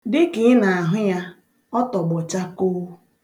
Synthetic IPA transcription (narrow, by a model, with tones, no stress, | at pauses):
dɪ˦kɪ˨ɪ˦na˨a˨ɦʊ˦ja˦ | ɔ˦tɔ˨ɡ͡bɔ˨t͡ʃa˦koː˦